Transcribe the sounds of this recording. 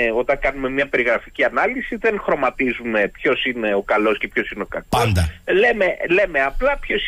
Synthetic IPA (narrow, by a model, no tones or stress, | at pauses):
o̞t̪ɐŋkɐnume̞mɲɐpe̞ɾiɣɾɐficiɐnɐlisiðe̞nxɾo̞mɐt̪izume̞pço̞sine̞o̞kɐlo̞sce̞pço̞sineo̞kɐkosd̪ɐleme̞le̞meɐplɐpço̞s